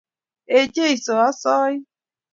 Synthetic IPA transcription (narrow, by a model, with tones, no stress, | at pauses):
e˨d͡ʒe˦i˨so˨a˦sɔː˦i˦